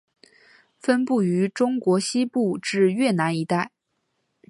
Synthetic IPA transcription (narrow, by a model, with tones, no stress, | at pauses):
fə˥npu˥˩y˧˥ʈ͡ʂʊ˥ŋkwɔ˧˥ɕi˥pu˥˩ʈ͡ʂɻ̩˥˧ɥɛ˥˩na˧˥ni˧˥t̪a˥˩ɪ